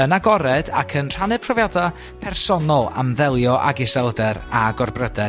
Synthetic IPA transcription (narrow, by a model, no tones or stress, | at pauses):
ənaɡɔɾɛda̰kʰənr̥anɨ̥pʰrɔvjada | pʰɛrsɔnɔlˠa̰mðɛlˠjɔʔa̰ɡɪsɛlˠdɛɾaɡɔrbrədɛ